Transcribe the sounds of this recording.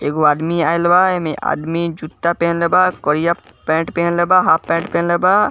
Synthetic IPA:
eːɡoad̪miaːjlbaemeʔa̰d̪mid͡ʒut̪ːapenlebakɔɾija | pẽʈpenlebaɦapẽːɳʈpẽnleba

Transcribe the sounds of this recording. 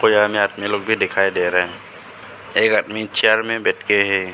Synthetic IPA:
kojamẽad̪miloɡ̚bʱid̪ɪkʰaːid̪eɾaɦɛ̃ | eːkad̪mit͡ʃʰiaɾmẽbɛʈkeɦɛ

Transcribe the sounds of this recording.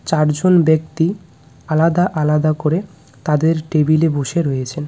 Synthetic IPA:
t͡ɕaɾd͡ʑonbek̚t̪i | alad̪aʔalad̪akoɾe | t̪ad̪eɾʈebileboʃeɾojet͡ɕʰen

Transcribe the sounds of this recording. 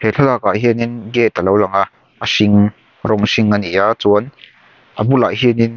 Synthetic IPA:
hɛɬʰalaːkaɦiəninɡɛt̪əlowlaŋaʔ | əsiŋ | rɔŋsiŋanijaʔt͡suən | ʔəbula̰jɦinin

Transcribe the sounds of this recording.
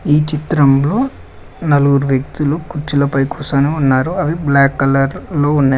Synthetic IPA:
iːt͡ʃit̪ɾɐmlo̞ː | nɐluɡuɾuʋjɐk̚t̪ulukuɾt͡ʃilɐpɐjkuːsɐːneunːaːɾuɐʋiblaːkːɐlɐɾlo̞ːunːa

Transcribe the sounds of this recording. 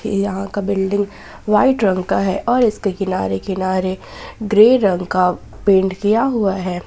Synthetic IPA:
jɐɦãkabɪlɖɪ̃ŋɡ | ʋaːɪʈɾɐ̃ŋɡkaɦɛʔɔːɾɪskekɪnaːɾekɪnaːɾeɡɾeːɾɐ̃ŋɡka | pẽːɳʈkijaɦuaɦɛː

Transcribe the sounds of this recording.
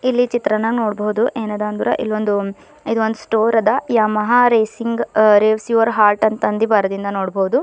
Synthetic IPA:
ilːit͡ʃit̪ɾɐnɐɡnoːɽbɐɦud̪uʔeːnɐd̪aːnd̪uːɾɐ̰ʔḭlːond̪u | id̪uʋond̪usʈoːɾɐd̪ɐjaːmɐɦaːɾeːsiŋɡɾeːʋsjuːʋɐɾɦaːɾʈɐnt̪ɐnd̪ibaːɾɐd̪ind̪ɐnoːɽbɐɦud̪u

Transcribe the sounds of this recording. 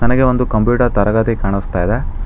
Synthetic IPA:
nɐnɐɡe̞o̞nd̪ukɐmpjuːʈɐɾt̪ɐɾɐɡɐt̪ikaːɳist̪aːjid̪e

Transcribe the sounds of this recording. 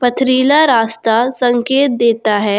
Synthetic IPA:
pɐt̪ʰɾiːlaɾaːst̪asɐ̃ŋkeːt̪̚d̪eːt̪aɦɛː

